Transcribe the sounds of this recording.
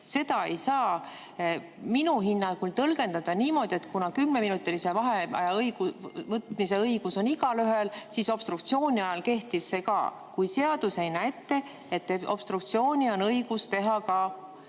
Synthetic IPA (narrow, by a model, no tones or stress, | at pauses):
se̞d̪ɑe̞jsɑː | minuɦinːɑkult̪ɤlɡ̥e̞nd̪̥ɑd̪̥ɑniːmo̞d̪̥ʲie̞t̪kunɑkymne̞minut̪ːˑilise̞vɑɦeɑ̰jɑɤjɡ̥uvɤt̪mise̞ɤjɡ̥uso̞niɡɑlyɦelsiso̞b̥st̪rukt̪sio̞ːnʲiɑjɑlke̞ht̪iv̥se̞kɑ̰ː | kujse̞ɑd̪̥use̞jnæjt̪ːˑe̞ | et̪ːeo̞̰b̥st̪rukt̪sio̞ːnʲio̞nɤjɡ̥ust̪e̞ɦɑkɑ